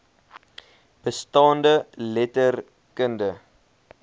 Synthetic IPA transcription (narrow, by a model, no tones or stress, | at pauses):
b̥əstɑːndəlɛtər | kəndə